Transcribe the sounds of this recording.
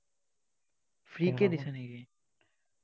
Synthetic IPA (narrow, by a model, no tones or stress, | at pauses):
fɾiːked̪ɪsənɦeːɡe